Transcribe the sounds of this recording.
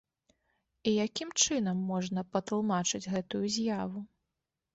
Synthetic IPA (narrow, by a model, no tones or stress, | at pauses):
ijakʲimt͡ʂɨn̪ɐmːɔʐnɐpɐt̪lˠmat͡ʂɨd͡zʲɣɛt̪ujuzʲjavu